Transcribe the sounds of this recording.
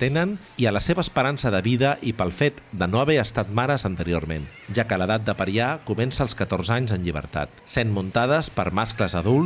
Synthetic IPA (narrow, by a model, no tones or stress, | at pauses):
t̪enən | iələseβəːspəɾansəðəβiðəʔipəlˠfet̪d̪ənoəβɛəst̪at̪̚maɾəzənt̪əɾio̰rmenʒakələðat̪̚d̪əpəɾiakumɛnsəːlˠskət̪orzaɲzənʎiβə̰ɾt̪a̰t̪senmunt̪aðəspəɾmaskləzəðulˠ